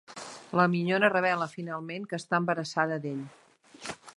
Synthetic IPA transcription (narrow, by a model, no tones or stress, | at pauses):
ləmiɲonərəβɛləfinalˠmeŋkəːst̪aəmbəɾəsaðəd̪eʎ